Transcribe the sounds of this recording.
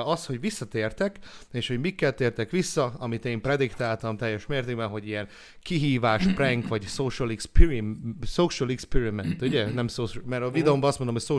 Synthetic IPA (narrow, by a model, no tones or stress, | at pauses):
ɒst̪ho̞ɟʋisːɒt̪eːrt̪ɛkeːʃho̞ɟmikːɛlt̪ːeːrt̪ɛkʋisːɒɒmit̪eːmprɛd̪ikt̪aːlt̪ɒmt̪ɛjːɛʃmeːrt̪eːɡ̚bɛnɦo̞ɟijɛn | kiɦiːvaːʃprɛŋkʋɒɟsoːʃɛlikspiɾisoːʃɛlikspiɾimɛnt̪uɟɛnɛmsoːʃmɛɾɒvid̪ɛombɒɒst̪mond̪omɦojsoː